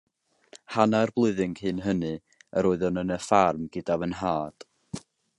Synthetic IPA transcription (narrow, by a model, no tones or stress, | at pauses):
hanarblˠʊɨðɪŋhɨːnɦənɨ | əɾoɨðɔnənəfarmɡ̥ədavənɦaːd̥